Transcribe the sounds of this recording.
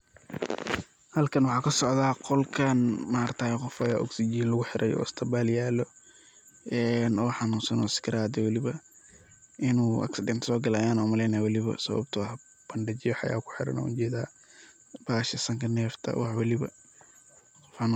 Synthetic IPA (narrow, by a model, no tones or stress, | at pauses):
hɐlkʰɐnwɑħɑːkʰɐsɔʕðaːqɔlkʰɐnmaɾt̪ʰaːjɛqɔfɐjaːʔɔ̰ksid͡ʒiːnlɐɣʊħɪɾʔɐɛjɔ̰st̪ʰɐbaːljaːlɔ | ɛnɔːħɑnuːsɐnɔ̰skʰɪɾaːd̪ɪwɐlɪβɐ | ʔɪnuːʔɐ̰ksɪdɛnt̪ʰsɔːɡɐlaːjaːnɔːmɐlɛːnɐwɐlɪβɐ̰sɐ̰βɐ̰b̚t̪ʰʊwħ | b̥ɐnɖɐt͡ʃɪjɔħɑ̰ja̰ːkʰʊ̥ħɪ̰ɾɐ̰nɔ̰ʊd͡ʒɛːd̪aː | b̥aːʃɐsɐŋkʰɐnɛːft̪ʰɐ̰wɑħwɐlɪβɐ̰ | qɔfħɑnː